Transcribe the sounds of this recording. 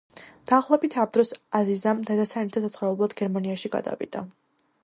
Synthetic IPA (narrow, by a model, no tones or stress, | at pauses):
d̪̥aːχlˠɔbit̪ʰamd̪ɾɔsazizamd̪ɛd̪asʰanɛt̪ʰasat̪sʰχɾavubulˠad̪ɡɛɾmaniaʃiɡa̰d̪a̰vḭd̪̥a